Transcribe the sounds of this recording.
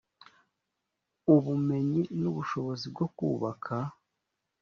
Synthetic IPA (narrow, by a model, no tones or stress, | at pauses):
uβume̞ɲinuβuʃo̞βo̞zib̚ɡo̞kuːβakʰa